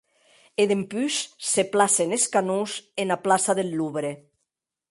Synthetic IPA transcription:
eðempysseplaseneskanuzenaplasaðelːuβɾe

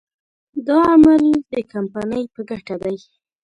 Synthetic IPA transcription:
d̪ɑamald̪əkampanəjpəɡaʈad̪aj

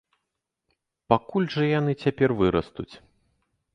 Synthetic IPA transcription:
pakulʲʐɐjanɨt͡sʲapʲɛrvɨɾɐst̪ut͡sʲ

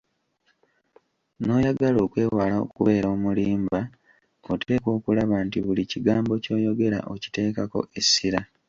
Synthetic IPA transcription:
no̞ːjaɡalo̞ːkwe̞ːwaːlao̰kuβe̞ːɾoːmuliːmba | ote̞ːko̞ːkulaβantiβuliciɡaːmbo̞co̞ːjo̞ɡe̞ɾa̰ʔoci̥te̞ːkako̞̰ʔe̞sːiɾa

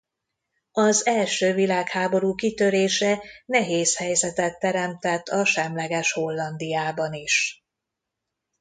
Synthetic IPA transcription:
ɒzɛlʃøːvilaːkhaːbo̞ɾuːkit̪ø̞ɾeːʃɛnɛɦeːshɛjzɛt̪ɛt̪ːɛɾɛmt̪ɛt̪ːɒʃɛmlɛɡɛʃho̞lːɒnd̪ijaːbɒniʃ

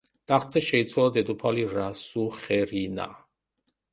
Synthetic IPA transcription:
t̪ʼaχt̪sʰɛʃɛit̪sʰwalad̪ɛd̪upʰaliɾasuχɛɾina̰

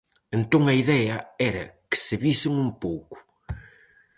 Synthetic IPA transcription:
ẽnt̪õŋɐiðɛɐɛɾɐ̰kɨ̥sɨβisɪŋũmpowkʊ̥

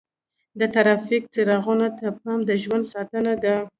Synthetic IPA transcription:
d̪ət̪aɾɑfik̚t͡seɾɑɣunat̪əp̚ɑmd̪əʒwand̪sɑt̪ənad̪a

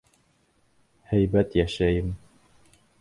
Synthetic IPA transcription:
hæjbæt̪jæʃæjɘm

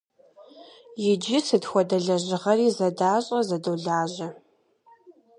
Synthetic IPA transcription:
jɪd͡ʒɪsɨdxʷɔdɐɮɐʑɪʁɐriːzɐdaːɕʼɐzɐdoːɮaːʑɐ

